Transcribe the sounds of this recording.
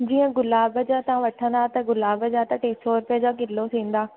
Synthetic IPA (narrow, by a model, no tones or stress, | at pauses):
d͡ʑiːə̃ɡʊlaːbəd͡ʑãt̪ɐʋ̤ãʋɐʈʰə̃n̆d̪aːt̪ɐɡʊlaːbəd͡ʑat̪ɐʈeːsɔːɾʊpijəd͡ʑaːkɪlosʰĩːn̆d̪aː